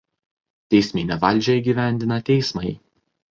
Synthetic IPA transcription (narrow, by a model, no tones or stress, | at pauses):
t̪ʲɛɪsʲmʲɪnʲɛʋɐlʲˑd͡ʒʲɛiɡʲiːʋʲæˑnʲd̪ʲɪnɐt̪ʲɛɪsmɐɪ